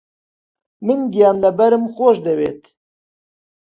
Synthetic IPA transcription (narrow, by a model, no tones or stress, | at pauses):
mɨnɡijɑːnlɐbɐɾɨmxoːʃd̪ɐwḛːt̪